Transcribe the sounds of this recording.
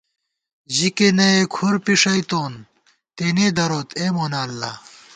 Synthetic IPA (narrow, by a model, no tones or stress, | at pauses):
ʑikenɐekʰuɾpiʂɐit̪oːn | t̪eːneːd̪ɐɾoːt̪ʰeːmoːnaːlːɐ̰